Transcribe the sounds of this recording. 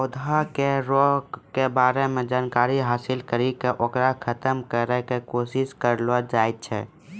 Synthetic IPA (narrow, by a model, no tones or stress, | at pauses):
od̪ʱakeɾokebaɾemed͡ʒaːnkaɾiɦaːsilkəɾikeʔokɾakʰət̪əmkəɾɛkekosiskəɾlɔd͡ʒajt̪̚t͡ʃʰɛ̰